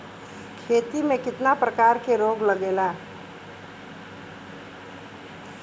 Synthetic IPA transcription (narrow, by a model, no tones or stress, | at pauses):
kʰeːt̪imẽkɪt̪napɾəkaːɾkeɾoːɡləɡeːlaː